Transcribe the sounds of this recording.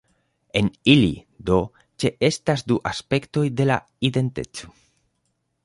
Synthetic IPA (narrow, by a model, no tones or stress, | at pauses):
e̞nilḭ | d̪o̞ | t͡ʃe̞ʔe̞stasduʔaspe̞kto̞jde̞la̰ | ide̞nte̞̰t͡so̞̥